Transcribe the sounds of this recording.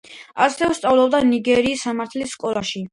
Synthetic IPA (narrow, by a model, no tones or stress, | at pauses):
asɾɛvɛst̪sʼavlˠɔb̚d̪aniɡɛɾiːsːamaɾt̪ʰlisːkʼɔlˠaʃi